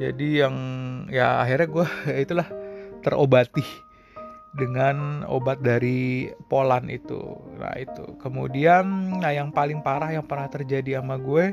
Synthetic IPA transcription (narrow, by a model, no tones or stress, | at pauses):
d͡ʒa̰dijaŋja̰ːɦirɲaɡuɛit̪ulaht̪ərʔobat̪i | dəŋano̰bat̪̚daɾipolanḭt̪ṵna̰ḭt̪ṵkəmudiannajaŋpalɪŋpaɾahjaŋpəraht̪ərd͡ʒadiamaɡue